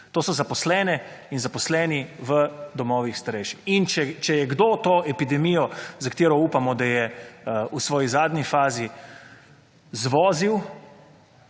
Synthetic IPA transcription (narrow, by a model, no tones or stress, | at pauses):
t̪oːsɔzapɔslɛːnɛ | inzapɔslɛːniʋəd̪ɔmɔːʋixst̪aɾɛjʃixint͡ʃɛt͡ʃɛjɛɡd̪oːt̪oːʔɛpid̪ɛmijɔzɐkat̪eːɾɔuːpamɔd̪ajɛusʋɔːjizaːd̪ɲifaːzi | zʋɔːziw